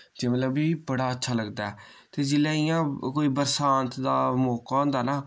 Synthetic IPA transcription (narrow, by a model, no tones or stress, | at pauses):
d͡ʒeːmət̪ləbiːbəɽaːətːʃʰaːləɡd̪aːɛː | t̪eːd͡ʒɪlaːɪjãːkoːiːbəɾsãːnt̪d̪aːmoːkɔ̃ːnd̪aːnaː